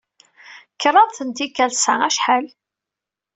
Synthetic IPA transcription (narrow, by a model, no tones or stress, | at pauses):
kːəɾˤɑðˤθənt̪ikːælsææʃħal